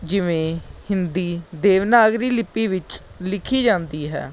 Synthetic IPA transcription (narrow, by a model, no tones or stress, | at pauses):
d͡ʒɪʋẽːhɪnd̪iːd̪eːʋnaːɡɾiːlɪpːiːʋɪt͡ʃlɪkʰiːd͡ʒãːnd̪iːɦɛ̰ː